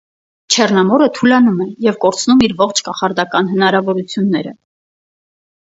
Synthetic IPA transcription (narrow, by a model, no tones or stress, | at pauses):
t͡ʃʰɛrnɑmɔɾət̪ʰulɑnumɛjɛvkɔɾt͡sʰnumiɾvɔχt͡ʃʰkɑχɑɾd̪ɑkɑn̪ɦənɑɾɑvɔɾut͡sʰjunːɛɾə̰